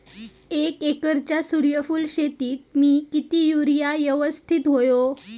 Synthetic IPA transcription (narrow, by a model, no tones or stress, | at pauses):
ekekəɾt͡ɕjasuɾjəfuːlɕet̪iːt̪̚miːkit̪iːjuɾijajəʋəst̪ʰit̪ɦojo